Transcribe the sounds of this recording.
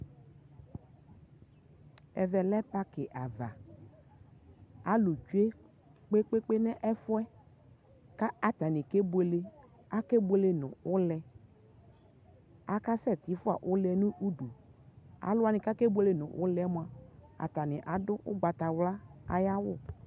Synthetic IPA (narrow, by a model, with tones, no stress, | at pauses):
ɛ̰˨vɛ˨lɛ˦pa˦kɪ˨ʔa˨va̰˨ | a˨˦lu˨d͡ʒu˦e˦ | k͡pe˦k͡pe˦k͡pe˦nɛ˦ʔɛ˦fʊ˦ɛ˦ | ka˦a˨t̪a˨nɪ̃˨ke˦be˨˦le˦ | a˦ke˦bʷe˦le˦nʊ̰̃˨ʊ˦lɛ˨ | a˨ka˦sɛ˦˨t̪i˨˦fʊ˦a̰˨ʔʊ˦lɛ˨nũ˦ʔu˦du˨a̰˨˦lʊ˦a˨nɪ̃˨ka˦ke˦bu˦e˦le˦nʊ̰̃˨ʔʊ̰˦lɛ˨˦mʊ̃˨a˨a̰˨t̪a˨nɪ˨ʔa˨˦dʊ˦ʔʊ̰˦ɡ͡ba˨t̪a˨wla˦a̰˨ja˦wʊ˦˨